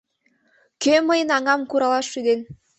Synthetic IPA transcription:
køməjənɑŋɑmkuɾɑlɑʃːyd̪en

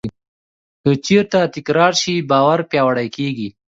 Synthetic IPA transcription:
kət͡ʃeɾt̪at̪ɪkɾɑɾʃibɑwaɾpjɑwaɽajkeɡi

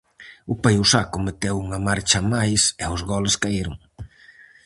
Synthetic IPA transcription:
ʊpajʊsakʊmet̪ewuŋɐmaɾt͡ʃɐmajsɛʊzɣɔleskaiɾʊŋ

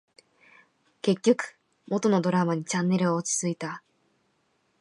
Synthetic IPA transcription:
ke̞kʲːo̞kɯ̟̥ | mo̞t̪o̞no̞d̪o̞ɾamaɲ̟it͡ɕãnːe̞ɾɯ̟oːt͡ɕɨ̥t͡sɨit̪a

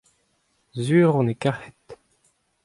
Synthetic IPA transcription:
zyːʁɔ̃nekahɛt̪

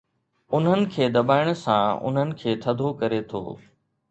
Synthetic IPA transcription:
ʊn̤ənɪ̆kʰeːd̪ɐbaːɪɽ̃sã̰ʊ̰n̤ənɪ̆kʰeːt̪ʰɐd̪ʱokɐɾet̪ʰo̰ː

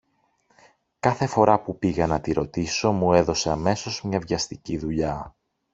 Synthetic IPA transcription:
kɐθe̞fo̞ɾɐpupiɣɐnɐt̪iɾo̞t̪iso̞mue̞ðo̞se̞ɐme̞so̞zmɲɐvʝɐst̪iciðuʎɐ

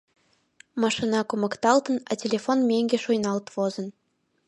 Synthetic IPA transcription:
mɑʂinɑkumɤ̆kt̪ɑlˠt̪ɤ̆nɑtʲelʲefonmʲeŋʲɡʲeʂujnɑlˠt̪ʋozɤ̆n

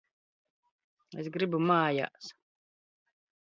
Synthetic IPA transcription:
ḛsɡɾibumaːja̰s

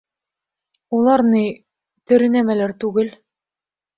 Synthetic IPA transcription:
ulˠɑɾni | t̪ɘ̆ɾɘ̆næmælæɾt̪ʉɡɘl

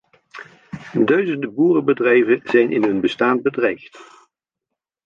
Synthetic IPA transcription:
dœɥzəndəbuːrəbədrɛjvənz̥ɛjnʔɪnɦɵnbəstaːn̚bədrɛjft

